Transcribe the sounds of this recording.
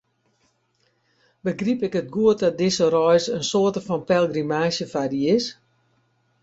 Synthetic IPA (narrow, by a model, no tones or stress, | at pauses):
bəɡripɪkətɡuət̚dɔt̚dɪsərɔjsənsoətəfɔnpɛlˠɡrimaːʃjəfadiɪs